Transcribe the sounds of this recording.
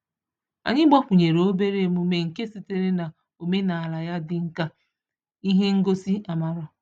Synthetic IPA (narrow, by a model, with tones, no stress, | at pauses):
a̰˨ɲɪ˦ɡ͡bɔ˦ɸʊ˨ɲe˨ɾo˦be˦ɾe˨mu˦me˨ŋ̩˨ke˦si˨te˨ɾe˦na˨ | o˨me˦na˨a˨la˨ja˦dɪ˦ŋ̩˦ka˦ | i˦ɦe˦ŋ̩˦ɡo˦si˦ʔa˨ma˨ɾʊ˦˨